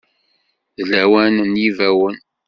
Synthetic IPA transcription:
ðlæwænnjivæwən

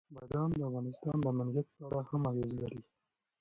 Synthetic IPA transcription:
majd̪ɑnd̪əafɣɑnɪst̪ɑnd̪əmanɡjat̪̚pəaɽahamɑɣezlaɾi

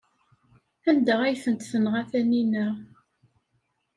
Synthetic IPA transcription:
ænd̪əʁæjθənt̪θənʁæθæninəʁ

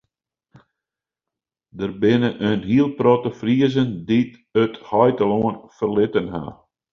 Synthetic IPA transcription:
dərbɪnəʔənɦiəlˠprɔtəfriəzəndit | əthɔjtəloənfərlɪtənha̰

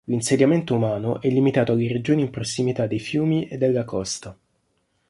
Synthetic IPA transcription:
linsed̪jament̪oumaːnoʔɛlːimit̪aːt̪oalːeɾed͡ʒoːniːmpɾosːimit̪ad̪ːejfjuːmiʔed̪ːelːakɔst̪a

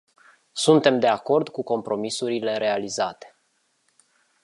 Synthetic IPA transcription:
sunt̪e̞md̪e̞ako̞rd̪kuko̞mpɾo̞misuɾile̞ɾe̞alizat̪e̥

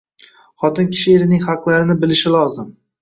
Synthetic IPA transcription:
χɒt̪ɪnkʲʰɪ̥ʃɪeɾɪnɪŋχɑqlˠaɾɪnɪbɪlɪʃɪlˠɒzɪm

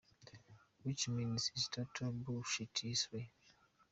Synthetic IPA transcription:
wit͡ʃmĩnsistʰatʰɔbuʃitʰiswe

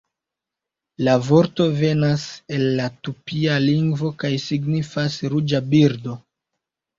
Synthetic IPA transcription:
lavo̞ɾto̞ve̞nase̞lːatupialiŋɡvo̞kajsiɡnifasɾud͡ʒabiɾdo̞

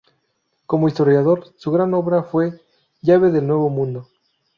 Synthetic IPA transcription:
ko̞moist̪oɾjaðo̞ɾsuɣɾano̞βɾafwe̞ | ʝaβe̞ðe̞lnwe̞βo̞mũnd̪o̞

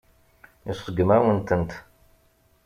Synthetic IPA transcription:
isˤəɡəmæwənt̪ənt̪

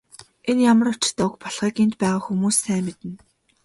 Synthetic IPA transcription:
enjamə̆rʊt͡ɕ̆t̪aːwɵ̆kpɔɮʁ̥iːkent̪pæːʁaːxumuːsːæːmet̪ɘ̆n

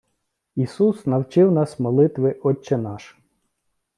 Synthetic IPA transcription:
isusnɐwt͡ʃɪwnɑsmɔlˠɪt̪ʋɪʔɔt͡ʃːenɑʃ

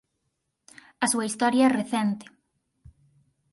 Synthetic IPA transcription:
ɐsuɐist̪ɔɾjɐreθɛnt̪ɪ̥

